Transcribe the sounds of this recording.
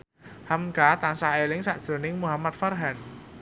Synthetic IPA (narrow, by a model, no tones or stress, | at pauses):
hamkat̪ansaɦelɪŋsaʔd̥ʒ̥ɾo̤nɪŋmuɦamat̪̚farɦɛn